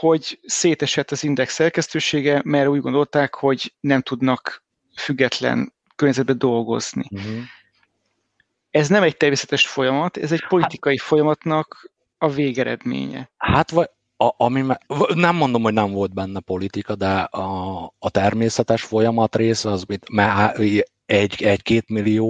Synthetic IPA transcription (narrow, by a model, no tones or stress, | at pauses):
ho̞ɟseːt̪ɛʃɛt̪ːɒzind̪ɛksːɛrkɛst̪øːʃeːɡɛmɛrɛuːɟɡo̞nd̪o̞lt̪aːkho̞ɟnɛmt̪ud̪nɒk | fyɡːɛt̪lɛ̰n | kørɲːɛzɛd̪̚bɛd̪o̞lɡo̞̰z̥nḭ | ɛznɛmɛc̚t̪ɛrmeːsɛ̥t̪ɛʃfo̞jɒmɒt̪ɛ̰zɛcp̞lit̪ikɒjifo̞jɒmɒt̪nɒk | ɒveːɡɛɾɛ̰d̪mḛːɲɛ̰hat̪vɒ | ɒmimɛnɛmːo̞nd̪o̞mhonɛɱvo̞lt̪̚bɛnːɛpo̞lit̪ikɒd̪ɛɒːt̪ɛrmeːsɛt̪ɛʃfo̞jɒmɒt̪reːsɛɒzmit̪mɛa | ɛɟɛɟkeːt̪milːioː